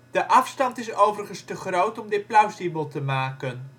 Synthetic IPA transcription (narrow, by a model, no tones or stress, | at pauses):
d̥əʔɑfstɑntɪsowvərχənstəχrowtɔmdɪt̚plawsibəlˠtəmaːkən